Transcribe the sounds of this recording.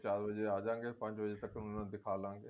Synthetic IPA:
t͡ʃaːɾbəd͡ʒeaːd͡ʒãːŋɡeːpə̃ɲt͡ʃbəd͡ʒet̪əkːnnãːd̪ɪkʰaːlãːŋɡeː

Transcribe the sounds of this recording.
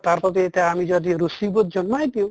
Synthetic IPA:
t̪aɾpɔt̪et̪eamid͡ʒɔd̪iɾusibot̪̚d͡ʒɔnmajd̪iw

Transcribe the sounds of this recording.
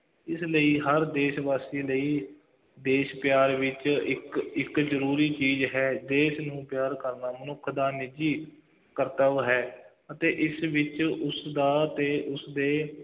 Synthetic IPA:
ɪsləiːɦəɾd̪eːʃbaːsiːləiː | d̪eːʃpjaːɾʋɪt͡ʃɪkɪkzəɾuːɾiːt͡ʃiːzɦɛːd̪eːʃnũːpjaːɾkəɾnaːmənʊkʰd̪aːnɪd͡ʒiː | kəɾt̪əʋɦɛː | ət̪eːʔɪsʋɪt͡ʃʊsd̪aːt̪eːʔʊsd̪eː

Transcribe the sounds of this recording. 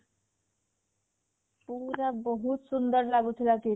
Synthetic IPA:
puɾabʌɦut̪sund̪ʌɾlaɡut̪ʰilaki

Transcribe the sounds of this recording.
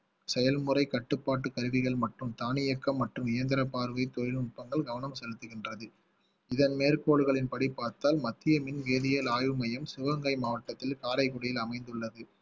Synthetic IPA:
sɛjɐlmɯɾɐɪkɐʈːɯpːaːʈ̬ːɯkɐɾɯʋɪɣɐɭmɐʈrɯmt̪aːnɪjɐkːɐmːɐʈrɯmɪjɐnd̪ɐɾɐpːaːɾɯʋɐɪt̪ːɔɻɪlʊʈ̚pːɐŋɡɐɭɡɐʋɐnɐmsɛlɯt̪ːɯɣɪndrɐðɯ | ɪðɐnmeːrkoːɽɯɣɐɭɪnpɐɽipːaːɾt̪aːlmɐt̪ːɪjɐmɪnʋeːðɪjɐlaːjɯmɐjɐmsɪʋɐŋɡɐɪmaːʋɐʈːɐt̪ːɪlkaːlɐɪkʊɽɐjɪlɐmɐɪnd̪ɯɭːɐðɯ

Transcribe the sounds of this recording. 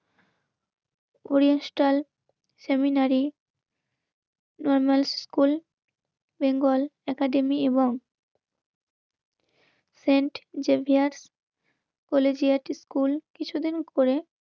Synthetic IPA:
oɾijansʈal | seminaɾi | nɔɾmalsskul | beŋɡolɛkaɖemieboŋ | seɳʈd͡ʑebʱiaɾs | kɔled͡ʑiaʈiskulkit͡ɕʰud̪inkoɾe

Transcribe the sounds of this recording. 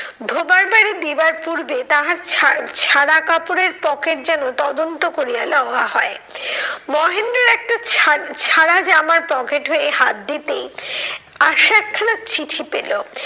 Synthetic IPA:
d̪ʱobaɾbaɾid̪ibaɾpuɾbet̪aɦaɾt͡ɕʰaɽakapoɾeɾpɔkeɾd͡ʑɛnot̪ɔd̪ont̪okoɾialɔaɦɔe | mɔɦend̪ɾoɾɛk̚ʈat͡ɕʰaɽad͡ʑamaɾpɔkeʈɦoeɦat̪̚d̪it̪ej | aʃɛkʰːalat͡ɕʰiʈʰipelo

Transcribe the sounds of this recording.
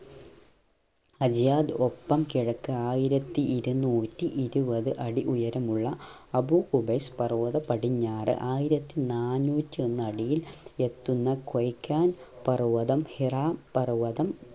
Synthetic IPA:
ɐd͡ʑjaːd̪opːɐmkiɻɐkːɨaːjiɾɐt̪ːiʔiɾunːuːtːiʔiɾubɐðɨʔɐɽiʔujɐɾɐmuɭːɐ | ɐbukubɐspɐruʋɐðɐpɐɽiɲːaːrɨ̰ʔaːjiɾɐt̪ːinaːnuːtːio̞nːɨɐɽijile̞t̪ːunːɐkwɐjkːaːnpɐruʋɐðɐmhiraːmpɐruʋɐðɐm

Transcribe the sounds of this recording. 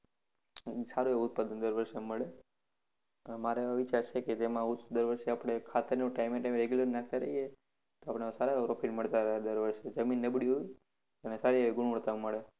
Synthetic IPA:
saɾueʊt̪̚pad̪ənd̪əɾʋəɾʃeməɭe | əmaɾeəʋit͡ʃaɾt͡ʃʰeked͡ʒemãʊt̪d̪əɾʋəɾʃeapɽ̃ekʰat̪əɾnũʈaimeʈaimɾeɡjuləɾninak̚ʰt̪aɾə̰ɦie | t̪oapɳ̃esaɾapɾofiʈməɭt̪aɾəɦad̪əɾʋəɾʃed͡ʒəminːəbɽiɦoi | ənesaɾiɡʊɳʋəɭt̪aməɭe

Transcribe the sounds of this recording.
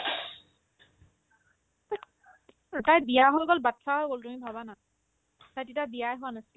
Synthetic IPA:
tajbijaɦɔɡɔlbatʰːaɦɔɡoltumibʱabana | tajtitabijajɦʊwanasil

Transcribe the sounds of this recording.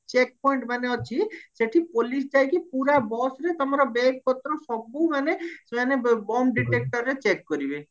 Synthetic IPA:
t͡ʃek̚pɔiɳʈmaneɔt͡ʃʰiseʈʰipolis̬d͡ʒajkipuɾabɔsɾet̪ɔmaɾɔbeɡ̚pɔt̪ːɾɔsɔbomanemanebɔmɖiʈek̚ʈɔɾːet͡ɕekːoɾibe

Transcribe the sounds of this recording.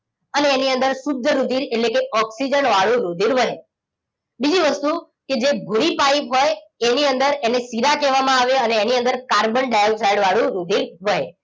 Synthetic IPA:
əneːniənd̪əɾsʊd̪ʱːəɾud̪ʱiɾeʈlekeɔksid͡ʒənʋaɭũɾud̪ʱiɾʋəɦe | bid͡ʒiʋəst̪u | ked͡ʒebʱuɾipaipɦojeniənd̪əɾenesiɾakɛʋamãaʋeəneːniə̃nd̪əɾkaɾbəɳɖajsajɽʋaɭũɾud̪ʱiɾʋəɦḛ

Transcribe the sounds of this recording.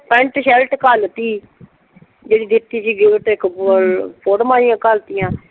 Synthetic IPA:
pɛ̃ɳʈʃɛlʈkəlt̪iː | d͡ʒeːɽiːd̪ɪt̪ːiːsiːɡɪlʈɪk | pʰoːɽmãːijãːkəlt̪ijãː

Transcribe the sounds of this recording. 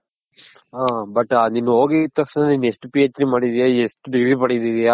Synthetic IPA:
aːbɐʈːaniːnːuɦoːɡit̪ɐkʂnaniːnːesʈupijet͡ʃɾimaːɽid̪ijaesʈuɖiɡɾiːpɐɽid̪idijaː

